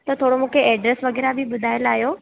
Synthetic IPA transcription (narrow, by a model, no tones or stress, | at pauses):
t̪ɐt̪ʰoːɽomũːkʰeʔɛːɖɾesʋɐɣɛːɾabʱɪɓʊd̪ʱaːjəlaːɦjoː